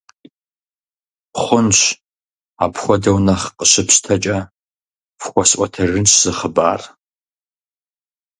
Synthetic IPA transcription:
χʷʊnɕʷ | apʰxʷɔdɐwnɐχqəɕɪpɕtʰɐt͡ʃʼɐ | fxʷɔsʔʼʷɔtʰɐrɨnt͡ʃʰz̥ɨχəba̰ːr

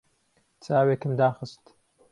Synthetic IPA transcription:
t͡sʼaːweːkɨmd̪aːxɨst̪

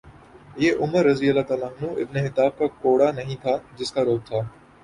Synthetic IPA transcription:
jeːʔʊməɾːɐzijəlaːt̪aːlaɦnũːʔɪ̰bneɦɪt̪aːb̚kakoːɽanɐɦĩːt̪ʰaːd͡ʒɪskaɾoːb̚t̪ʰaː

